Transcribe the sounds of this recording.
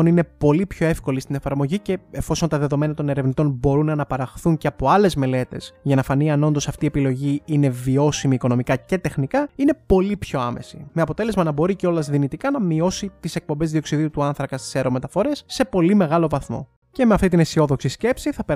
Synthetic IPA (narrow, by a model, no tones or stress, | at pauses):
onine̞po̞lipço̞e̞fko̞list̪ine̞fɐɾmo̞ʝice̞efo̞so̞nt̪ɐðe̞ðo̞me̞nɐt̪o̞ne̞ɾe̞vnit̪o̞nbo̞ɾunɐnɐpɐɾɐxθuɲceɐpo̞ɐle̞zme̞le̞t̪e̞z̥ʝɐnɐfɐniɐno̞nd̪o̞sɐft̪ie̞pilo̞ʝiine̞vio̞simiːko̞no̞mikɐce̞t̪e̞xnikɐine̞po̞lipço̞ɐme̞̰sime̞ɐpo̞t̪e̞le̞zmɐnɐbo̞ɾiceo̞lɐzðinit̪ikɐnɐmio̞sit̪ise̞k̚pombe̞zðio̞ksiðiut̪uɐnθɾɐkɐst̪i̥seɾome̞t̪ɐfo̞ɾesːe̞po̞lime̞ɣɐlo̞vɐθmo̞̰ | ce̞me̞ɐft̪it̪inesio̞ðo̞ksisce̞psiθɐpe